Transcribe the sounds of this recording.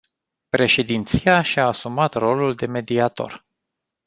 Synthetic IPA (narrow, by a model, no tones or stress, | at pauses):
pɾe̞ʃe̞d̪int̪sijaʃaːsumat̪ro̞luld̪e̞me̞d̪iat̪o̞̰r